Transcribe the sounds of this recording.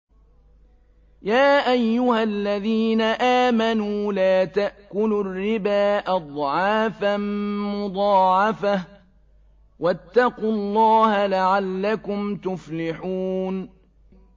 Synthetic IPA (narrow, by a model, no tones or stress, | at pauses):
jaːʔajːʊhalːaðiːnaʔaːmanuːlaːt̪aʔkʊlʊrːɪbaːʔad̪ˤʕɑːfanmʊd̪ˤɑːʕɑfah | wat̪ːɑqʊlˤːɑːhalaʕalːakʊmt̪ʊflɪħuːn